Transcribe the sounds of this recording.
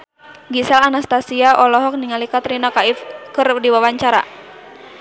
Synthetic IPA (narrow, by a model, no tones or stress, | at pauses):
ɡisɛlanast̪asiaʔɔlɔɦɔk̚niŋalikat̪ɾinakaifkɨrdiwawaɲt͡ʃaɾa̰